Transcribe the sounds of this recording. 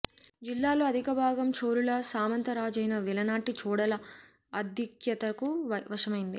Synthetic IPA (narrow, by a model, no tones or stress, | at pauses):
d͡ʒilːaːloːɐd̪ʱikɐbʱaːɡɐmt͡ʃoːɾulɐsaːmɐnt̪ɐɾaːd͡ʒɐjnɐʋilɐnaːʈit͡ʃɔːɽɐlɐ | ɐd̪ʱjɐkjɐt̪ɐkuɐʋɐʂɐmɐjind̪i